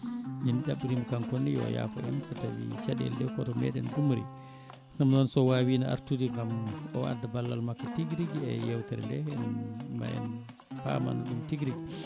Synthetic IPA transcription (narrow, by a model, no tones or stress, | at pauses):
d͡ʒiniɗaɓːiɾimkankonːijɔ̰ja̰fa̰ʔɛ̰nsɔtawḭt͡ʃaɗɛ̰ldɛwkɔtɔmɛ̰ɗɛnɡumɾḭ | ŋamnɔnsɔwaːwinaʔa̰ɾtudiŋɡamɔa̰dːabalːalmakːatiɡɾiɡiɛjɛwtɛɾɛndɛnanma̰ʔɛ̰n | fa̰ma̰nuɗumtiɡɾiɡi